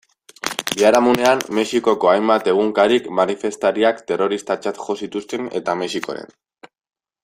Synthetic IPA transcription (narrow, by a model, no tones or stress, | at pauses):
biaɾamune̞ammːe̞xiko̞ko̞ajmbat̪e̞ɣ̞uŋkaɾikmanife̞st̪aɾiakt̪e̞ro̞ɾist̪at͡ʃat̪ʝo̞sit̪ust̪e̞ne̞̰t̪ame̞siko̞̰ɾe̞̰n